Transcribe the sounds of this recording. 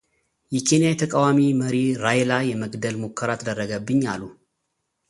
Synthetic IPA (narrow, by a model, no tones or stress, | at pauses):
jɛkʰe̞nijajɛt̪ʰəkʼawamiməɾiɾajlajɛməɡd̪əlmokʰːəɾat̪ʰəd̪ərːəɡəbːɨɲːalːu